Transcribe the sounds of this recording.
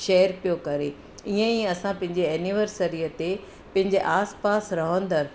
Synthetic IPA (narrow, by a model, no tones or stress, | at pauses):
ʃeːəɾpijokɐɾe | iə̃iɐsãpɐ̃ɦɪ̃ɲd͡ʑeɛːniʋəɾsəɾiət̪e | pɐ̃ɦɪ̃ɲd͡ʑeʔaːspaːsɾɐɦə̃nd̪əɾ